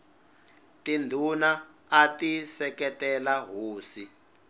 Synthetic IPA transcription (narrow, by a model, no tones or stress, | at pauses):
tindʱunaːtisɛkɛtɛlaɦoːsi